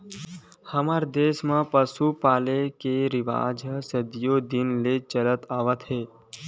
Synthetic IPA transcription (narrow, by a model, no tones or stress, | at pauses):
həmaɾd̪eʃmãpəsupaːlekeɾɪʋa̰ːd͡ʒəsəd̪jod̪ɪnlet͡ʃəɾət̪aːʋət̪ɦe